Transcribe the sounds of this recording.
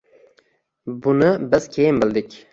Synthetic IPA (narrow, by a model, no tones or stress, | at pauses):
bʊnɪbɪz̥kʲʰejɪmbɪld̪ɪkʲ